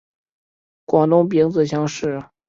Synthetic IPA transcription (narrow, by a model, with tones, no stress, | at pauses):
kwɑ˨˩ŋt̪ʊ˥˩ŋp̬i˧˥ŋd͡zɹ̩˨˩ɕ̬jɑ˥ŋʂɻ̩˥˩